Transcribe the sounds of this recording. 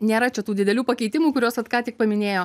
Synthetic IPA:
nʲeːɾɐt͡ʃʲɛt̪uːd̪ʲɪd̪ʲɛlʲuːpɐkʲɛɪt̪ʲɪmuːkʊɾʲoːsɐt̪kɑːtʲɪk̚pɐmʲɪnʲeːjoː

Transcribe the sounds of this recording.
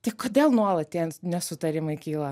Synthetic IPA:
t̪ʲɐɪkoːd̪ʲeːlˠnuɔlˠɐt̪̚ʲt̪ʲiɛnnʲɛsʊt̪ɐɾʲɪmɐɪkʲiːlˠɐ

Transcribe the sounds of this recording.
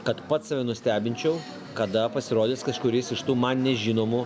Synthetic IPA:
kɐt̪pɐt̪ssɐʋʲɛnʊsʲt̪ʲæːbʲɪnʲt͡ʃʲɛʊ | kɐd̪ɐpɐsʲɪɾoːd̪ʲeːskɐʃkʊɾʲɪːsɪʃt̪uːmɐnnʲɛʒʲinoːmʊ

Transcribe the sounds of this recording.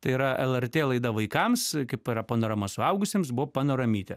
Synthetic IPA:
t̪ɐɪiɾɐʔɛlˠɛrʲt̪ʲeːlˠɐɪd̪ɐʋɐɪkɐmskɐɪpiɾɐpoːnɐɾɐmɐsʊɐʊɡʊsʲeːms̬bʊʋopɑːnoɾɐmʲiːt̪ʲɛ

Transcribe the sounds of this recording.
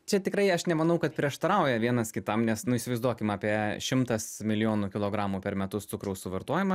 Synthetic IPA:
t͡ʃʲɛt̪ʲɪkɾɐɪɐʃnʲɛmɐnɐʊkɐt̪pʲɾʲiɛʃt̪ɐɾɐʊjɛʋʲiɛnɐskʲɪt̪ɐmnʲɛsnʊɪisʲɪʋɐɪzd̪uɔkʲɪmɑːpʲiɛʃʲɪmt̪ɐsmʲɪlʲɪjoːnukʲɪlˠoːɡɾɑːmuːpʲɛɾmʲɛt̪ʊst̪sʊkɾɐʊsʊʋɐɾt̪oɔjɪmɐ

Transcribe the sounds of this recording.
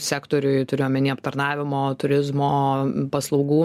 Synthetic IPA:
sʲæːkt̪oːɾʲʊɪt̪ʊɾʲɪjoːmʲɛnʲeːɐpt̪ɐɾnɑːʋʲɪmoːt̪ʊɾʲɪzmoːpɐslˠɐʊɡuː

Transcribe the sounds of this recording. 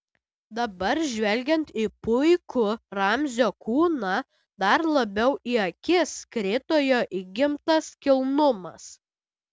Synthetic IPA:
d̪ɐbɐɾʒʲʋʲɛlʲɡʲɛnt̪ipʊɪkʊɾɐmʲzʲoːkuːnɑ | d̪ɐɾlˠɐbʲɛʊʔiɐkʲɪskɾʲɪt̪oːjoːʔiːɡʲɪmt̪ɐskʲɪlˠnʊmɐs

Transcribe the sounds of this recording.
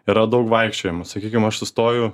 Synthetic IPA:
iɾɐd̪ɐʊkʋɐɪkʃʲt͡ʃʲoːjɛmɐsɐkʲiːkʲɪmɐʃsʊst̪oːjʊ

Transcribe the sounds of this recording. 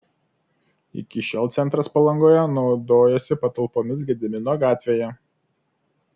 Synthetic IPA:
ɪ̰kʲɪʃʲɛlˠt̪sʲɛnt̪ɾɐspɐlˠɐŋɡoːjɛnɒʊd̪oːjɛsʲɪpɐt̪ɐlˠpoːmʲɪs̬ɡʲɛd̪ʲɪmʲɪnoːɡɑːt̪ʲʋʲeːjɛ

